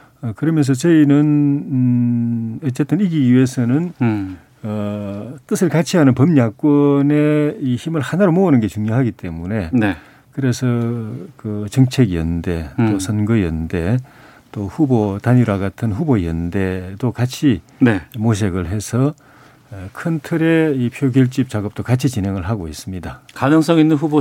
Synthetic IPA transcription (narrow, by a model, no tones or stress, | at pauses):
ʌkɯɾʌmjʌns̬ʰʌt͡ɕʌinɯn | ʌt͡ɕ͈e̞t͈ɯniɡiue̞sʰʌnɯn | ʌt͈ɯsʰɯɭkat͡ɕʰiɦanɯnpʌmɲak͈wʌneiçimɯɭhanaɾomoonɯnɡe̞t͡ɕuŋɲoɦaɡit͈e̞mune̞e | kɯɾe̞sʰʌkɯt͡ɕʌŋt͡ɕʰeɡijʌ̰nde̞t͈osʰʌnɡɯjʌnde̞ | t͈oɸubotaɲuɾaɡatʰɯnɸuboijʌndedokat͡ɕʰinemoɕ̬ʰeɡɯɭɦe̞sʰʌ | kʰɯntʰɯɾe̞ipʰjoɡjʌɭt͡ɕ͈ip̚t͡ɕaɡʌp̚t͈okat͡ɕʰit͡ɕinɦe̞ŋɯɭɦaɡois͈ɯmɲidakanɯŋs͈ʌŋinːɯnɸubo